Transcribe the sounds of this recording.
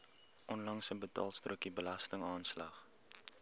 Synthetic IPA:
ʔɔnlɐŋsəbətɑ̰ːlˠstruəkibəlɐstəŋɑːnslɐχ

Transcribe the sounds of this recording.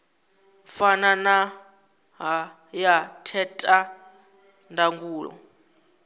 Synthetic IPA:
fanana | ɦa | jatʰɛtʼa | ndʱaŋɡuːlɔ̰

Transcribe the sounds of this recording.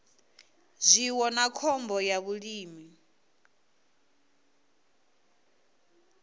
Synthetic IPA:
zʷiwɔnakʰɔmbɔjaβuɺiːmi

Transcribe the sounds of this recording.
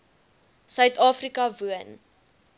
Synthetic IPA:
sœɥtɑːfrikɐvuən

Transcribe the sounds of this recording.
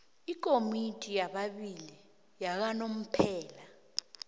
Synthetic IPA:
ik̬ʼomitʼijaɓaɓili | jak̬anom̩pʰɛːla

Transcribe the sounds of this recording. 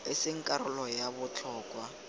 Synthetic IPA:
ɪsɪŋ̩kʼaɾʊlɔjabʊt͡ɬʰɔːkʼwa

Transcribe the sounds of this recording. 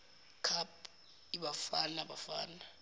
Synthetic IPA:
kʰap̚ | iɓafanaɓafa̰ːna

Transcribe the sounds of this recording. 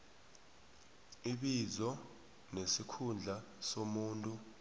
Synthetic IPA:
iɓizɔ | nesikʰund͡ɮʱa | somuːntʼu

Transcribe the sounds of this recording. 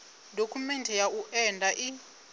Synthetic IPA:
dʱokʰumɛntʰɛjaʔuʔɛndʱaʔi

